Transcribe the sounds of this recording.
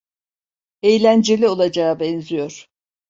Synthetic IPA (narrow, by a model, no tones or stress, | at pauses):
ejlʲænd͡ʒelʲio̞lˠad͡ʒaːbɛnzijo̞ɾ̥